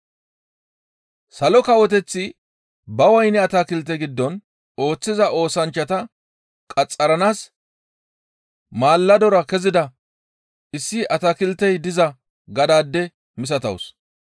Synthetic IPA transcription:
sɐlɔkɐwɔt̪ɛt͡sːɪ | bɐwɐjnɛɐt̪aːkɪlt̪ːɛɡɪd̪ːɔn | o̞ːt͡sːɪzɐʔo̞ːsɐnt͡ʃːɐt̪ɐ | kʼɐt͡sʼːɐɾɐnaːs | maːlːɐd̪ɔɾɐkɛzɪd̪ɐ | ɪsːɪʔɐt̪akɪlt̪ɛjd̪ɪzɐ | ɡɐd̪aːd̪ːɛ | mɪs̬ɐt̪ɐ̰ws

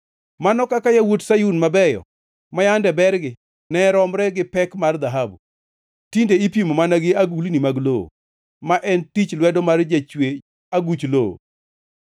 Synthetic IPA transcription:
manɔkakajawotsajunmabɛjɔ̰ | majandɛbɛrɡɪ | nɛɾɔmɾɛɡɪpɛkmard̪aɦabu | tindeipimomanaɡɪaɡulnimaɡloo̰ | maʔɛntit͡ʃlwɛdɔmard͡ʒat͡ʃwe | aɡut͡ʃloo̰

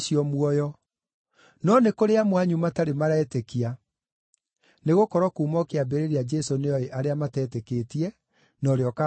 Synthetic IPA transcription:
ʃiɔmwɔjɔ | nɔnekoɾeamwaɲumataɾemaɾɛːtekia | neɣokɔɾɔkuːmɔkeabeɾeɾead͡ʒɛsoneɔeʔaɾeamatɛːteketiɛ | nɔɾeɔka

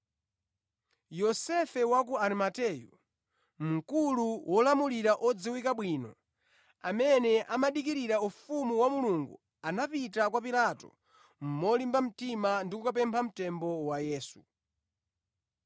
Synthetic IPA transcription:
jɔsɛfɛwak̬uaɾimatɛjṵ | m̩kuluwʔɔlamuliɾaʔɔd͡ziwikaɓwiːnɔ | amɛnɛʔamaɗikiɾiɾaufumuwamuluŋɡṵ | anapitakwapilatɔ̰ | m̩mɔlimbam̩timandikukapɛmpʰam̩tɛmbɔwajɛːsu

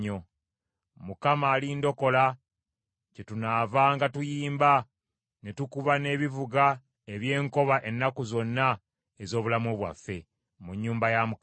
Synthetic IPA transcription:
o | mukamaːlindo̞ko̞la | cetunaːvaːŋɡatujiːmba | netukuβane̞ːβivuɡa | eβje̞ːŋko̞βaʔe̞nːakuzo̞nːa | ezo̞ːβulamoβwa̰fːe̞ | muɲːuːmbajamu

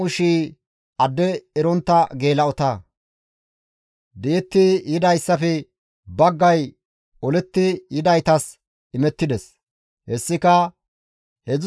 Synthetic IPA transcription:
ʊʃiː | ɐd̪ːɛɛɾɔnt̪ːɐɡeːlɐɔt̪ɐ | d̪iːt̪ːɪjɪd̪ɐjsːɐfɛ | bɐɡːɐj | ɔlɛt̪ːɪjɪd̪ɐjt̪ɐs | ɪmɛt̪ːɪd̪ɛs | hɛsːɪkɐ | hɛz

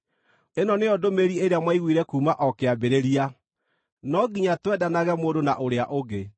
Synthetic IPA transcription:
enɔneɔdomeɾieɾeamwaiɣwiːɾɛkuːmaʔɔkeabeɾeɾia | nɔɡiɲatwɛdanaɣɛmoːdonaʔoɾeaʔoɣe

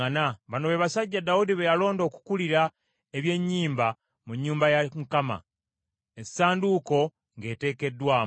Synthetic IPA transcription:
anaβano̞βe̞βasaɟːadaudiβejalo̞ːndo̞ːku̥kuliɾa | eβje̞ɲːiːmba | muɲːuːmbajamukama̰ | essaːnduko̞ | ŋɡe̞ːte̞ːke̞dːwaː

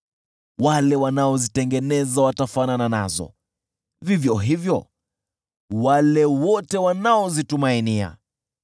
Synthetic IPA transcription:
walɛwanaɔzitɛŋɡɛnɛzawatafananana̰zɔ̰ | vivjɔɦivjɔ | walɛwɔtɛwanaɔzitumainia̰

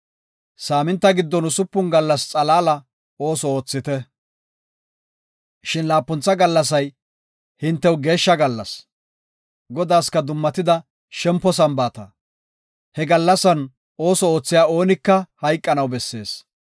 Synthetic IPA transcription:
saːmɪnt̪ːɐɡɪd̪ːɔnʊsʊpːʊnɡɐlːɐst͡sʼɐlaːlɐ | o̞ːsɔoːt͡sːɪt̪ɛ | ʃɪnlaːpːʊnt͡sːɐɡɐlːɐs̬ɐj | hɪnt̪ːɛwɡe̞ːʃːɐɡɐlːɐs | ɡɔd̪aːskɐd̪ʊmːɐt̪ɪd̪ɐ | ʃɛmpːɔs̬ɐmbaːt̪ɐ | hɛɡɐlːɐsɐn | o̞ːsɔo̞ːt͡sːɪjaːo̞ːnɪkːɐhɐjkʼːɐnɐwbɛsːe̞̰ːs

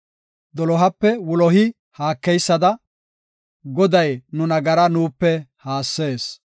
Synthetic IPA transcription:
d̪ɔlɔɦɐpːɛwʊlɔhɪ | haːkːɛjsːɐd̪ɐ | ɡɔd̪ɐjnʊnɐɡɐɾɐnuːpːɛhaːsːe̞ːs

